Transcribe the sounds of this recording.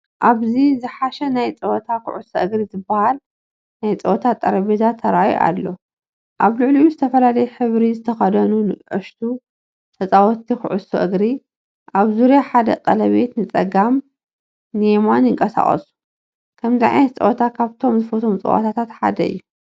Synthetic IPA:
ʔaβzizɨħaʃɐnajt͡sʼɐwɔt̪ʰakʊ̰ʕʊsɐʔɨɡɾizɨbːɐhal | najt͡sʼɐwɔt̪ʰat̪ʼːɐɾɐbezat̪ʰːɐɾaj̰ʔa̰lːo̞ | ʔaβlɨʕlijuzɨt̪ʰɐfɐlalɐjɛħɨβɾizɨt̪ʰɐxɐd̪ɐnunɨʕɨʃt̪ʰu | t̪ʰɐt͡sʼawɔt̪ʰːixʊʕʊsoʔɨɡɾi | ʔaβzuɾjaħad̪ɐ̰kʼɐlɐβe̞t̪nɨt͡sʼɐɡam | nemanjɪŋkʼɐsa̰χʼɐ̰su̥ | kʰɐmziʕa̰jnɐt̪t͡sʼɐ̰wʔt̪ʰakʰaβt̪ʰo̞mzɨfot̪ʰo̞mt͡sʼɐ̰wʔa̰t̪ʰat̪ʰat̪ħa̰d̪ɐɨ̰jːu

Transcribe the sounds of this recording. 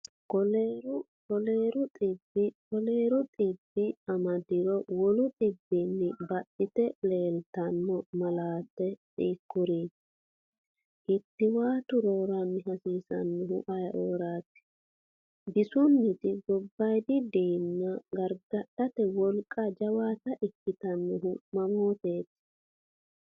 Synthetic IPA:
kɔleːɾʊ | kɔle̞ːɾʊt̪ʼɪbːɪkɔleːɾʊt̪ʼɪbːɪɐmɐd̪ɪɾɔwɔlʊt̪ʼɪbːɪnːɪbɐɗːɪt̪ɛle̞ːlt̪ɐnːɔmɐlaːt̪ːɛt̪ʼiːkːʊɾiː | ʔɪt̪ːɪwaːt̪ʊɾoːɾɐnːɪɦɐsiːsɐnːɛɦʊ̰ʔɐjʔoːɾaːt̪ːɪ̥ | bɪsʊnːɪt̪ɪɡɔbːɐjd̪ɪd̪iːnːɐɡɐɾɡɐɗɐt̪ɛwɔlkʼːɐd͡ʒɐwaːt̪ɐʔɪkːɪt̪ɐnːɔɦʊmɐmo̞ːt̪eːt̪

